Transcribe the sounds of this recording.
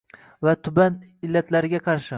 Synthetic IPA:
vat̪ʰʊbanɪlːat̪ʰlaɾɪɡʲaqʰɑɾʃɪ

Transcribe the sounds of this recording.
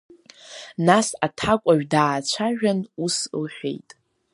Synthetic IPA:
nasatʰakʷʼaʒᶣdaːt͡ʃʷʰaʒᶣanuslħʷᶣḛjtʼ

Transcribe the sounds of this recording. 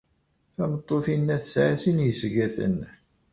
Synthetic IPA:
θæmət̪ˤːoθinːæθəsʕasinjəsɡæθə̰n

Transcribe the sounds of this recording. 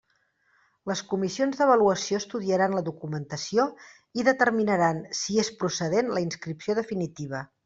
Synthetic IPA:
ləskumisionzðəβ̞əluəsioəst̪uðiəɾanləðukumənt̪əsio | iðət̪əɾminəɾansiespɾusəðenləinskɾipsioðəfinit̪iβ̞ə

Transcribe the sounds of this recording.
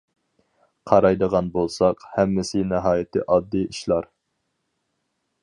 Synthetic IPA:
qʰɑɾɑjd̪əʁɑnbolˠsɑqhɛmːɪsɪnɛɦɑːjɪt̪ʰɪ̰ʔɑd̪ːɨiʃlˠɑɾ

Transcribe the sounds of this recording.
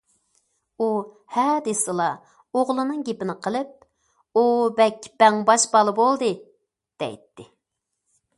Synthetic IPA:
u | hɛd̪esɨlˠɑ | oʁlˠɨnɨŋɡʲepɪnɪqʰəlˠɨp̚ | ubɛkʲb̥ɛŋbɑʃbɑlˠɨbolˠd̪ɨ | d̪̥ɛ̰jt̪ːɪ

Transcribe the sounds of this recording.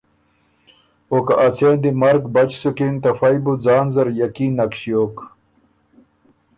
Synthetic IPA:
okaʔɐt͡sʰeːnd̪imɐɾɡbɐt͡ɕsukint̪ɐfɐjbud͡zaːnzɐɾjɐkiːnːɐkɕijoːk

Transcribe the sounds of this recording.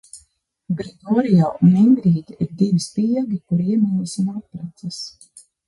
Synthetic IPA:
ɡɾɛɡɔɾijɔːʔuniŋɡɾiːd̪ʲiiɾd̪ivispiɛɡikuɾiiɛmʲiɲisunapːɾat̪sɐs

